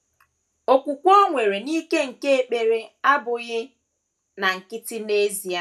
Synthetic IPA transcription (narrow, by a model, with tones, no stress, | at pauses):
o˨kʷu˨kʷo˦ŋʷe˨ɾe˨ni˦ke˦ŋ̩˨ke˦e˨k͡pe˨ɾe˦a˦bʊ˨ɣɪ˦ | na˨ŋ̩˨kɪ˦tɪ˦ne˦zi˨a˦